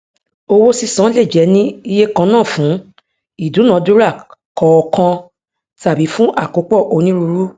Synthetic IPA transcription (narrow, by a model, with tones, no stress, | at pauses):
o˧wo˦si˧˨sã˨˦le˦˨d͡ʒɛ˨˦nĩ˦i˧je˦kã˧nãː˦˨fũ˨˦ | i˦˨dũ˨˦nã˨˦du˦ɾa˦˨kɔ˧ɔ˧kã˧ | ta˨bi˨˦fũ˦ʔa˦˨ko˨˦k͡pɔ˦˨ʔo˧nĩ˦ɾu˧ɾu˦